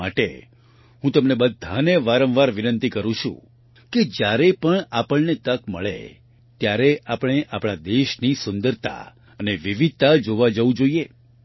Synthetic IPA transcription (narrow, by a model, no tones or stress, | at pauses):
aʈḛ | ɦũt̪əmnebəd̪ʱːaneʋaɾə̃ʋʋaɾʋinənt̪ikəɾũt͡ʃʰṵ̃ | ked͡ʒjaɾepəɳapəɭnet̪əkməɭḛ | t̪jaɾeʔapɽ̃eʔapɽ̃ad̪eʃnisʊnd̪əɾt̪a̰ | əneʋiʋid̪̚t̪ad͡ʒoʋad͡ʒəʋũd͡ʒoie